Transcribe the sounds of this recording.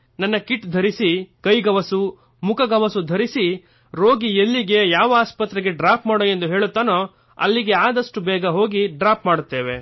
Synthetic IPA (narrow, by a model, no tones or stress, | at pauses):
nɐnːɐkiʈd̪ʱɐɾisikɐjɡɐʋɐsu | mukɐɡɐʋɐsud̪ʱɐɾisi | ɾo̞ːɡijelːiɡe̞jaːʋɐaːspɐt̪ːɾɛɡe̞ɖɾaːpmaːɽoːje̞nd̪uɦe̞ːɭut̪ːaːnoː | ɐ̰lːiɡe̞aːd̪ɐʂʈubɛːɡɐɦo̞ːɡiɖɾaːpmaːɽut̪ːe̞ːʋe̞